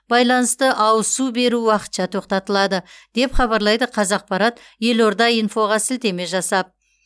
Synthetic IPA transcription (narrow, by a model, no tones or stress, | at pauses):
b̥ɑjlˠɑnəst̪əʔɑwəsube̞ɾuwɑqə̥t̪ʃɑt̪ʰo̞qt̪ɑt̪əlˠɑd̪əd̪̥e̞pχɑbɑɾlˠɑjd̪əqʰɑzɑq̚pɑɾɑt̪ | je̞lo̞ɾd̪ɑijnfo̞ʁɑsɪlt̪e̞me̞ʒɑsɑp̚